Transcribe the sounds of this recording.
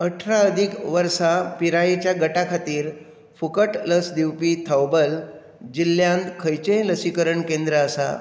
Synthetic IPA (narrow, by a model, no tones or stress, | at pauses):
əʈʰɾaəd̪ʱikʋəɾsapiɾajet͡ɕjaɡəʈakʰat̪iːɾ | fukəʈləsd̪iwpiːt̪ʰəwbəl | d͡ʑilːjãnd̪kʰəjt͡ɕẽləsikəɾəɳkẽnd̪ɾəːsa̰